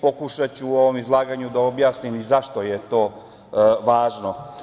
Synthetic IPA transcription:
po̞kuʃat͡ɕuo̞ʋo̞mizlˠaːɡaɲud̪ao̞bjaːsnimizaʃt̪ojet̪o̞ː | ʋaːʒno̞

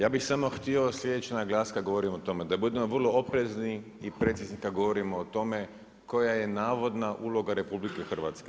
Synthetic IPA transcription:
jaːbixsamo̞xt̪io̞slje̞d̪et͡ʃenaɡlˠaːskad̪ɡo̞ʋo̞ɾimot̪o̞me̞d̪abud̪e̞mo̞ʋər̩lˠo̞opɾe̞zni | ipɾet̪siznikad̪ɡoʋoɾimoːt̪o̞me̞ | ko̞jaje̞naːʋo̞d̪naʔuːlˠo̞ɡaɾe̞publikexr̩ʋa̰t̪ske

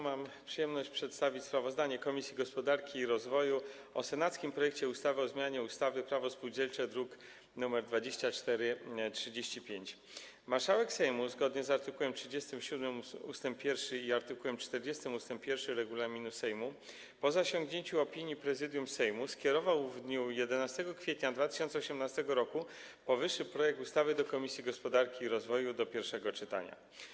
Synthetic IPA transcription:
mampʂɨjɛmnɔɕt͡ɕpʂɛt̪st̪avʲit͡ɕʲspɾavɔzd̪aɲɛkɔmʲisʲjiɡɔspɔd̪aɾkʲiːɾɔzvɔju | ɔsɛnat̪skʲimpɾɔjɛkt͡ɕɛust̪avɘɔzmʲjaɲɛust̪avɘpɾavɔspuwd͡ʑɛlt͡ʂɛd̪ɾuk | numɛɾd̪vad͡ʑeɕt͡ɕat͡ʂt̪ɛɾɘtʂɘd͡ʑeɕt͡ɕipʲjeɲt͡ɕ | maɾʂawɛksɛjmuzɡɔd̪ɲɛzaɾt̪ɘkuwɛmtʂɘd͡ʑest̪ɘmɕud̪mɘmust̪ɛmpʲːjɛɾfʂɘiaɾt̪ɘkuwɛmt͡ʂt̪ɛɾd͡ʑɛst̪ɘmust̪ɛmpːʲjɛɾfʂɘɾɛɡulamʲinusɛjmu | pɔzaɕɔ̃ŋɡɲeɲt͡ɕuɔpʲiɲipɾɛzɘd̪ʲjumsɛjmuskʲjɛɾɔvawvd̪ɲujɛd̪ɛnast̪ɛɡɔkfʲjet̪ɲad̪vat̪ɘ̥ɕɔnt̪sɛɔɕɛmnast̪ɛɡɔɾɔku | pɔvɘʂːɘpɾɔjɛk̚t̪ust̪avɘd̪ɔkɔmʲisʲjiɡɔspɔd̪aɾkʲiːɾɔzvɔjud̪ɔpʲjɛɾfʂɛɡɔt͡ʂɘt̪a̰ɲa̰

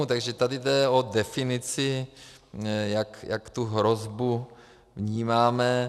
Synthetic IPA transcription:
ut̪aɡʒɛt̪adɪdɛodɛfɪnɪt͡sɪ | jakjakt̪uɦɾozbu | vɲiːmaːmɛ

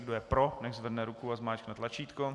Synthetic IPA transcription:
ɡdojɛpɾonɛʒzvr̩dnɛɾukuazmaːt͡ʃknat̪lat͡ʃiːt̪ko

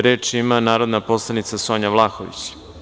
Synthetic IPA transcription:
ɾe̞ːt͡ʂimanaːɾo̞d̪napo̞slˠanit̪saso̞ːɲaʋlˠaːxoʋḭt͡ɕ

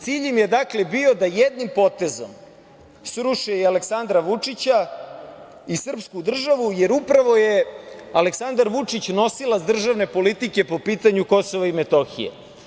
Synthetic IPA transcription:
t̪siːʎemje̞d̪akle̞bio̞d̪ajed̪nimpo̞t̪e̞zo̰m | sɾuʃealeksand̪ɾaʋut͡ʂit͡ɕa | isr̩pskud̪r̩ʒaʋuje̞ɾupɾaʋo̞jealeksand̪aɾʋut͡ʂit͡ɕno̞silad̪r̩ʒaʋne̞po̞lit̪ike̞po̞piːt̪aɲuko̞soʋaimet̪o̞xḭjḛ

